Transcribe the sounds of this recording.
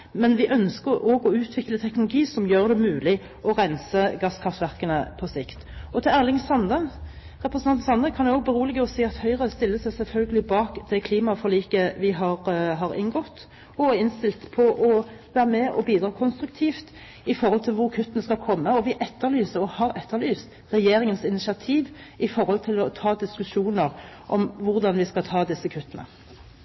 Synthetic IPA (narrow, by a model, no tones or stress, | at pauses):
mɛnʋɪʔœnskəɾɔːɡɔʉːt̪ʰʋɪklət̪ʰɛknʊlʊɡiːsɔmjøːʁd̪ɛmʉːlɪ | ɔʁɛnsəɡɑskʰʁɑft̪ʋæʁkənə̰pʰɔsɪkt̪ɔt̪ʰɪlæːʁlɪŋsɑnd̪ə | ʁɛpɾəsnɑnn̩sɑnd̪əkʰɑnd̪ɛɔːɡ̚bəɾuːləɡəɔsiːɑt̪hœʏʁəst̪ɪlːəsæɪsɛlfœlɡəlɪbɑːkd̪ɛkʰliːmɑfɔʁliːkəʋɪɦɑʁɦɑɾɪ̰nɡɔt̪ː | ɔɪnst̪ɪlt̪pʰɔʔɔʋæːʁəmɛʔɔbiːd̪ɾɑːkʰɔnst̪ɾʉk̚t̪ʰiːft̪ | ɪfɔʁhɔlt̪ʰɪlʋʊʁkʰʉt̪ːənəskɑlkʰɔmːəɔʋɪʔɛt̪ʰːəɭyːsəɾɔhɑʁɛt̪ʰːəʁlyːst̪ | ʁɛjeːɾɪŋənsɪnɪsɪɑt̪ʰiːʋɪfɔɾɔlt̪ʰɪlɔt̪ʰɑːd̪ɪskʉʂuːnəʁ | ʔɔmʋʊʁd̪ɑnʋɪskɑt̪ʰɑːd̪ɪsːəkʰʉt̪ːənə̰